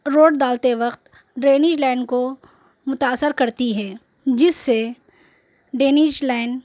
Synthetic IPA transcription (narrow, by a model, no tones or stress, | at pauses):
ɾoːɖd̪aːlt̪eʋɐqt̪ | ɖɾeːnɪʃlɛːnko | mʊt̪aːsəɾkɐɾt̪iɦɛː | d͡ʒɪsːe | ɖeːnɪʃlɛːɪn